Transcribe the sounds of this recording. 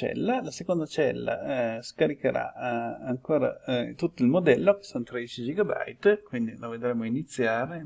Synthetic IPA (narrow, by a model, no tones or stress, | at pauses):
t͡ʃɛ̰lːalasekond̪at͡ʃɛlːa̰skaɾikeɾa̰aŋkoːɾa̰t̪ut̪ːoilmod̪ɛlːoke̥sonot̪ɾed̪it͡ʃid͡ʒiɡaba̰jt̪kwind̪iloved̪ɾemːoinit̪sːjaːɾe